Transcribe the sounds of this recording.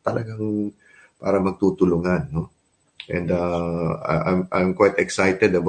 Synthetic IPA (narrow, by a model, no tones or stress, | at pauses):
t̪ɐlɐɡaŋ | pa̰ːɾɐmɐɡ̚t̪uːt̪ʊlʊŋanːo | ʔɛ̰̃nd̪ɐ̰ | ʔa̰jmʔa̰jmkwajt̪ɛksajt̪ɛd̪ɐb